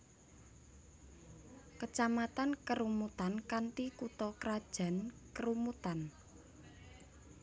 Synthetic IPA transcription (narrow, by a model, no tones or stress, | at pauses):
kət͡ʃamat̪ankəɾumut̪ankant̪ikut̪ɔkɾad̥ʒ̥a̤nkəɾumut̪an